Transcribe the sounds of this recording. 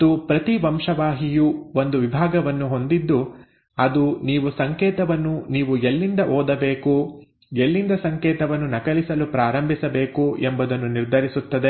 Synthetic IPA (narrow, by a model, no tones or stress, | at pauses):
t̪upɾɐt̪iʋɐmʂɐʋaːɦijuʋo̞nd̪uʋibʱaːɡɐʋɐnːuɦo̞nd̪id̪ːu | ɐd̪uniːʋusɐŋkɛːt̪ɐʋɐnːuniːʋuelːind̪ɐʔoːd̪ɐbe̞ːku | elːind̪ɐsɐŋkɛːt̪ɐʋɐnːunɐkɐlisɐlupɾaːɾɐmbʱisɐbe̞ːkuembud̪ɐnːuniɾd̪ʱɐɾisut̪ːɐd̪e